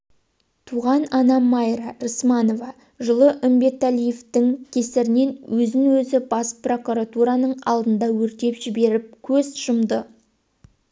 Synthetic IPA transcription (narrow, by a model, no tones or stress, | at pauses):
t̪ʰuʁɑnɑnɑmɑjɾɑɾəsmɑno̞vɑ | ʒəlˠəʔʏmbe̞t̪ælijeft̪ɪŋkʲʰe̞sɪɾɪne̞nwʔɵzɪŋwɵzɪbɑspro̞kuɾat̪uɾɑnəɴɑ̰lˠd̪ənd̪ɑwɵɾt̪e̞pʒɪbe̞ɾɪp̚kʲʰɵzʃəmd̪ə